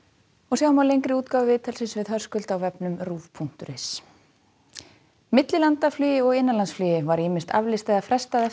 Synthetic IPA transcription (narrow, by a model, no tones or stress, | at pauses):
ɔsjawmawlejŋkɾɪuːt̪kaːwvɪvɪːt̪ʰɛlsɪsvɪðɦœr̥skʏlt̪awvɛpnʏmruːvpʰun̥t̪ʏɾɪs | mɪt̪lɪlant̪aflyːjɪɔɣɪnːanlansflyːjɪvaɾiːmɪnst̪ʰa̰vlɪst̪aðafɾɛst̪aðɛ